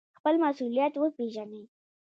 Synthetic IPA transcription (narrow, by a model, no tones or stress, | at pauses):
xpəlmasulijat̪wəpeʒanəj